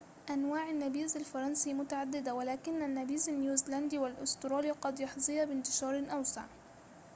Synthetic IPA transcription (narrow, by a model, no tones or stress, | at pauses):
ʔanwaːʕanːabiːzalfɑɾˤɑnsimʊt̪aʕad̪ːɪd̪awalaːkɪnːanːabiːzanjuːzland̪iːwalʔʊst̪ɾˤɑːliːqɑd̪jɑħzˤɨjabɪnt̪ɪ̥ʃɑːɾˤɪnʔawsa̰ʕ